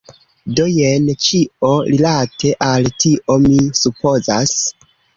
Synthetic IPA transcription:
dojent͡ʃio̞ɾilatʰe̞ʔaltiʔo̞misupo̞zas

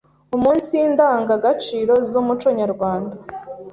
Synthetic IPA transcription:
umuːnsijiːndaːŋɡaɡat͡ʃiːɾo̞zumut͡ʃo̞ɲaɾɡwaːnda

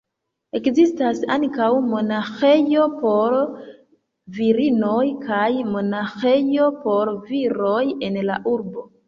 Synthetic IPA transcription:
e̞kzistasa̰ŋkawmo̞naxe̞jopo̞ɾ | viɾinojkʰajmo̞naxe̞jo̞po̞ɾviɾoje̞nla̰ʔuɾbo̞

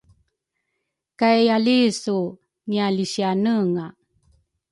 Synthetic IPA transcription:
kajalisu | ŋialiɕianəŋa

